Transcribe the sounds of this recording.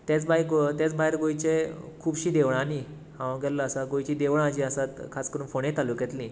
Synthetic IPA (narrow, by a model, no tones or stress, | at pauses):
t̪jat͡sbajkt̪jat͡sbʱajɾɡojt͡ɕekʰuːbɕiːd̪eʋɳani | hãwɡɛllaːsaɡojt͡ɕid̪eʋɳad͡ʑiəsat̪kʰaskəɾuːnfoɳẽt̪alukjɛt̪lĩ